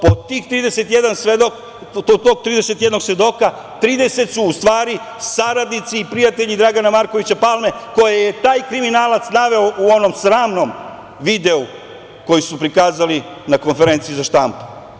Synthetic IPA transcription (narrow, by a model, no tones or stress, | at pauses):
pot̪iːxt̪ɾiːd̪ese̞t̪jed̪ansʋed̪ok̪ | ot̪oːɡ̚t̪ɾiːd̪e̞se̞t̪je̞d̪no̞ɡsʋe̞d̪o̞ka | t̪ɾiːd̪e̞se̞t̪suːst̪ʋaːɾi | saɾad̪nit̪siːpɾijat̪eʎid̪ɾaɡanamaɾko̞ʋit͡ɕapalme̞ko̞jejet̪aːjkɾiminaːlˠat̪snaʋe̞ouo̞no̞msɾaːmno̞m | ʋid̪e̞u | ko̞jisupɾikaːzali | nako̞nfe̞ɾe̞nt̪sijuzaʃt̪ampu̥